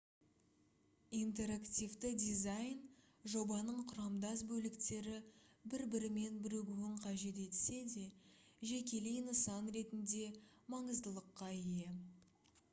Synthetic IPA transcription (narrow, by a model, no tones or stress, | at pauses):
int̪e̞ɾakt̪ʲijvt̪ɪd̪ijzajn | ʒo̞bɑnəɴqʰʊɾɑmd̪ɑsbɵlɪkt̪e̞ɾɪbɪɾbɪɾɪme̞nbɪɾeɡʲuɪɴqʰɑʒe̞t̪e̞t̪se̞d̪e̞ʒe̞kʲe̞lejnəsɑnɾe̞t̪ɪnd̪e̞mɑɴəzd̪əlˠəqːɑjje